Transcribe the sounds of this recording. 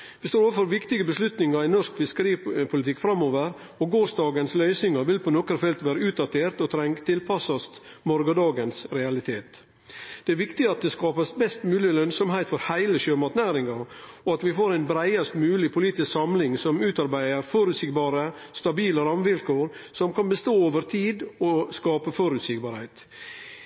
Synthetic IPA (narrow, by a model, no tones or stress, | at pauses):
ʋɪst̪oːɾoːʋəfɔɾʋɪkt̪ɪɡəbəslʉt̪nɪŋɑɾɪnɔɾskfɪskəɾiːəpʰʊlɪt̪ʰɪkːfɾɑmoːʋəɾ | ɔɡoːsd̪ɑːɡənslœʏsnɪŋɑʋɪlpɔnɔkəɾfɛlt̪ʋæːɾəʉːt̪̚d̪ɑt̪ʰeːɾt̪ɔt̪ʰɾɛŋt̪ʰɪlpʰɑsɔst̪ | mɔɾɡəd̪ɑːɡənsɾɛɑlɪt̪ʰeːt̪ | d̪̥ɛæɾʋɪkt̪ɪɑt̪̚d̪ɛskɑːpəsbɛst̪mʉːlɪlœnsɔmhæɪt̪fɔɾhæɪləɕøːmɑt̪næːɾɪŋɑ | ɔɑt̪ʋɪfoːɾæɪnbɾæɪɑst̪mʉːlɪpʰʊliːt̪ɪsksɑmlɪŋsɔmʉːt̪ɑɾbæɪəɾfɔɾʉt̪sɪkbɑːɾə | st̪ɑbiːləɾɑmʋɪlkoːɾsɔmkɑnbəst̪oːoːʋəɾt̪ʰiːd̪ɔskɑːpəfɔɾʉt̪sɪk̚bɑːɾhæɪt̪